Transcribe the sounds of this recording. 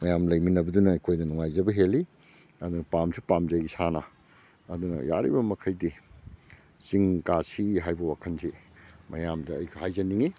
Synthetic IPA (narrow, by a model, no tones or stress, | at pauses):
mɐjamlɐjminɐbɐdunɐːjkʰojdɐnuŋajzɐbɐɦeli | ɐdunɐpamsupamzajɡisanɐ | ɐdunɐ̰ja̰ɾḭbɐmɐkʰɐjdi | ziŋkasiɦajbɐwakʰɐnsimɐ̰jamdɐɐjɡʰɐhajzɐniŋi